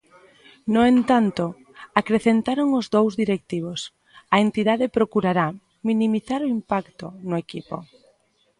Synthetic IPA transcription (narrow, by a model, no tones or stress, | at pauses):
nʊent̪ant̪ʊ | akɾeθent̪aɾoŋʊzd̪owzðiɾek̚t̪iβ̞os | ɐent̪iðaðɪpɾokuɾaɾa | minimiθaɾʊimpakt̪ʊnʊekipo̰